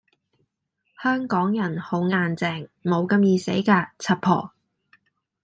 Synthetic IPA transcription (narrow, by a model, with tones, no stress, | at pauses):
hœː˥ŋkɔː˨˥ŋjɐ˨˩nho˨˥wŋaː˧nt͡sɛː˧ŋmo˨˧wkɐ˧mjiː˨˧se˨˥jkaː˧t͡sʰɐ˨˧t̚pʰɔ̰ː˨˩